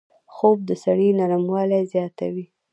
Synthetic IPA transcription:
xob̚d̪əsaɽinaɾmwɑlazjɑt̪a̰wi

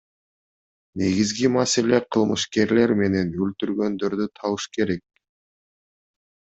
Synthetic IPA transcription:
ne̞ɡizɡimase̞le̞qʰɯlˠmɯ̰ʃke̞ɾle̞ɾme̞ne̞nylt̪yɾɡø̞nd̪ø̞ɾd̪yt̪ʰɑɯʃke̞ɾe̞k̚

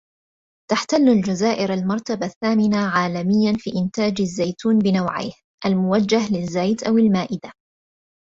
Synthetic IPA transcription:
t̪aħt̪alːald͡ʒazaːʔɪɾalmɑɾˤt̪abaθːaːmɪnaʕaːlamɪjːanfḭːʔɪnt̪aːd͡ʒazːajt̪uːnbɪnawʕa̰jh | ʔalmʊwad͡ʒːaɦlɪzːajt̪ʔawɪlmaːʔɪd̪a

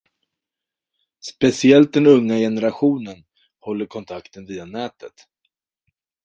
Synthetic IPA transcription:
spɛsɪɛlt̪̚d̪ɛnɵŋːajɛnəɾaɧuːnən | hɔlːəɾkʰɔnt̪ʰakt̪ənviːd̪anɛːt̪ʰət̪

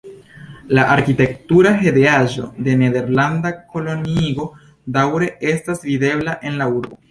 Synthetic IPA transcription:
laʔaɾkite̞k̚tuɾaɦe̞deaʒo̞̰de̞ne̞de̞ɾlandako̞lo̞nio̞ | dawɾe̞ʔe̞stasvide̞blaʔe̞nlauɾbo̞

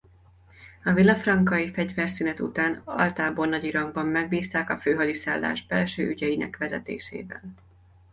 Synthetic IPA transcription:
ɒvilːɒfrɒŋkɒjifɛɟvɛrsynɛt̪ṵt̪aːnɒ̰lt̪aːbonːɒɟiɾɒŋɡ̚bɒmːɛɡbiːst̪aːkɒføːɦɒlisaːlːa̰ːʒbɛlʃøːʔyɟɛjinɛ̰kʋɛzɛ̰t̪ḛːʃḛːvɛ̰l

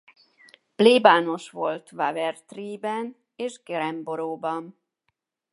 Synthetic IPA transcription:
pleːbaːno̞ʃʋo̞lt̪vavɛrt̪riːbɛn | eːʒɡɛɾɛmbo̞ɾoːbɒn

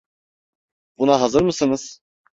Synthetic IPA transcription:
b̥unaɦazɯɾmɯsɯnɯz̥

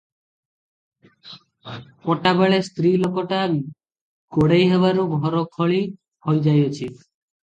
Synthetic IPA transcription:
pɔʈabeɭest̪ɾilokɔʈaːmi | koɽejɦeβaɾubʱɔɾɔkʰɔɭi | hojd͡ʒajot͡ʃʰi

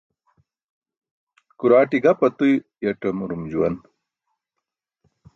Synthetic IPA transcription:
kuɾaːʈiɡɐpɐt̪ujjɐʈɐmuɾumd͡ʑuwɐn

